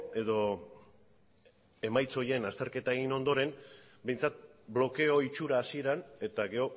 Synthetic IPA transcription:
e̞ðo̞ | e̞majt͡so̞je̞nast̪e̞ɾke̞t̪ae̞ɣ̞ino̞nd̪o̞ɾe̞n | be̞jnt͡sat̪̚blo̞ke̞o̞it͡ʃuɾaːsie̞ɾane̞t̪aɡe̞o̞

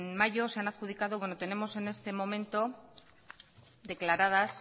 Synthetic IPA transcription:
nmaʝo̞seanaðxuð̞ikað̞o̞βwe̞no̞t̪e̞ne̞mo̞se̞ne̞st̪e̞mo̞mẽ̞nt̪o̞ | d̪e̞klaɾað̞as

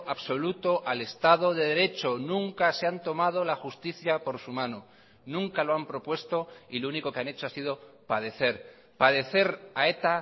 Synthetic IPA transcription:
ʔaβso̞lut̪o̞ʔale̞st̪aðo̞ðeð̞e̞ɾe̞t͡ʃo̞nũŋkase̞ant̪o̞mað̞o̞laxust̪iθjapo̞ɾsumãno | nũŋkalo̞ampɾo̞pwe̞st̪o̞ilouniko̞keane̞t͡ʃoasið̞o̞pað̞e̞θe̞ɾ | paðe̞θe̞ɾae̞t̪a

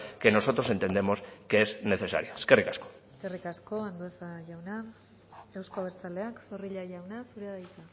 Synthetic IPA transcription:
ke̞no̞so̞t̪ɾose̞nt̪e̞nd̪e̞mo̞skeezne̞θe̞sa̰ɾioeskerikasko̥eske̞rikasko̞and̪oesaʝawna | ewskoβ̞eɾt͡sale̞aksoriʎaʝawnasuɾeðajt̪a

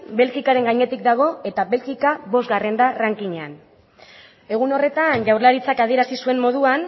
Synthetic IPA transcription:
be̞lkikaɾe̞ŋɡaɲe̞t̪ikd̪aɣ̞o̞e̞t̪aβe̞lxikaβo̞zɣare̞nd̪araŋkiɲean | e̞ɣ̞uno̞re̞t̪anʝawɾlaɾit͡sakað̞ie̞ɾasisue̞mmo̞ð̞uan

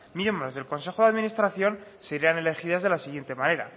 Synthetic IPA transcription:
membɾo̞zðe̞lko̞nse̞xo̞ðeaðmĩnist̪ɾaθjo̞nseɾiane̞le̞xiðazðe̞lasiɣje̞nt̪e̞mãne̞ɾa̰

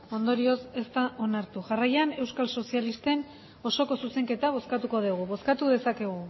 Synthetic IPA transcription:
o̞nd̪o̞ɾio̞se̞st̪aʔo̞naɾt̪uʝarajane̞wskalso̞sialist̪e̞n | o̞so̞ko̞suse̞ŋke̞t̪aβ̞o̞skat̪uko̞ðuɣ̞uβo̞skat̪uðe̞sake̞ɣ̞u

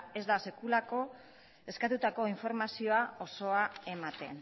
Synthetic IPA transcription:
e̞zd̪ase̞kulako̞ | e̞skat̪ut̪ako̞iɱfo̞ɾmasio̞ao̞so̞ae̞mat̪e̞̰n

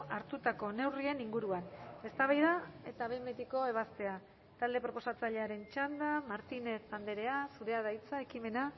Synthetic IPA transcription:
aɾt̪ut̪ako̞ne̞wrie̞niŋɡuɾuane̞st̪aβajðae̞t̪aβembet̪iko̞e̞β̞ast̪e̞a | t̪ald̪e̞pɾo̞po̞sat͡saʎe̞aɾe̞nt͡ʃand̪amaɾt̪ine̞θand̪e̞ɾe̞asuɾe̞að̞ajt͡sae̞kime̞na

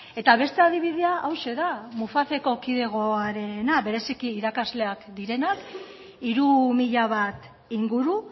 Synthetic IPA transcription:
e̞t̪aβ̞e̞st̪e̞aðiβ̞iðeaʔawʃe̞ðamufaθe̞ko̞kiðe̞ɣ̞o̞aɾe̞naβe̞ɾe̞sikiːɾakazle̞akd̪iɾe̞nak | iɾumiʎaβat̪ | iŋɡuɾu

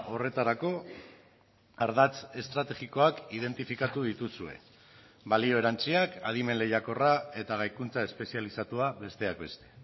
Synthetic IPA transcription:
o̞re̞t̪aɾako̞ | aɾðat͡se̞st̪ɾat̪e̞ɣiko̞akið̞e̞nt̪ifikat̪uð̞it̪usue̞̰ | βalio̞e̞ɾant͡siakað̞ime̞nle̞jako̞rae̞t̪aɣajkunt͡sae̞spe̞sialisat̪uaβe̞st̪e̞akbe̞st̪e̞̥

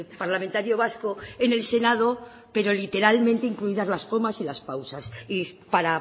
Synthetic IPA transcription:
paɾlament̪aɾjo̞β̞askoene̞lse̞nað̞o̞ | pe̞ɾo̞lit̪e̞ɾalmẽnt̪eiŋkluiðazlaspo̞masilaspawsasipaɾa

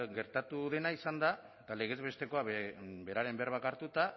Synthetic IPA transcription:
ɡe̞ɾt̪at̪uðe̞naisand̪a | t̪ale̞ɣ̞e̞zβe̞st̪e̞ko̞abe̞ɾaɾe̞mbeɾβakaɾt̪ut̪a

